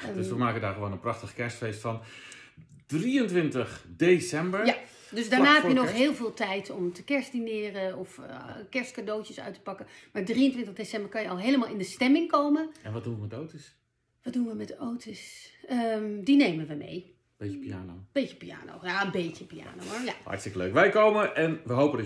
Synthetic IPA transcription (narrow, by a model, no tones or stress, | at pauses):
ddøsəmaːkədaːɹχəʋoːnənprɑχtəχkɛɹstfejstfɑn | d̥riəntʋɪntəχdesɛmbəɹja | døsdaːɹnaːɦɛpjənɔχɦɪːlˠvɪːlˠtɛjtɔmtəkɛɹsdinɪːrəɔfkɛɹstkadoːtəsœ̰ɥtə̥pɑkəmaːɹdriəntʋɪntədesɛmbəɹkɑnjəɑlˠɦejləmaːlˠɪndəstɛmɪŋkowmənɛnʋɑt̚dunʋəmɛtowtəs | ʋɑt̚dunʋəmɛtowtəsəmdinejmənʋəmḛj | bejəpiaːnob̥ejtəpia̰ːno̰wjaənbejcəpia̰ːnowmaɹjahɑ̰tstɪkəlø̰ɥkʋɛjkowməʔɛnʋəɦowpəd